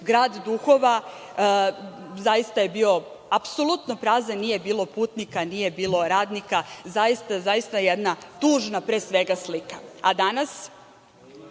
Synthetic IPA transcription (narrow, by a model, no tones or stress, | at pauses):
ɡɾaːd̪d̪uxoʋa | zajist̪aje̞biːo̞ | apso̞lut̪nopɾaːzanije̞biːlo̞puːt̪nikanije̞biːlo̞ɾaːd̪nikazajist̪azajist̪ajed̪nat̪uːʒnapɾeːsʋe̞ɡaslikaad̪anas